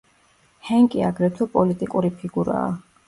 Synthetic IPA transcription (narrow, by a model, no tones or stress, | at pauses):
hɛŋkʼiaɡɾɛt̪ʰɛpʼɔlit̪ʼikʼuɾipʰiɡuɾa̰ː